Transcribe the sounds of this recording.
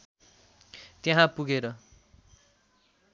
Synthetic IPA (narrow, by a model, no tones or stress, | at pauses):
t̪jeɦãpuɡeɾʌ